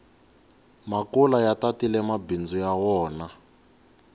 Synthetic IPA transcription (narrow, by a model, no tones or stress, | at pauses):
makulajatatilɛmabind͡zujawɔːna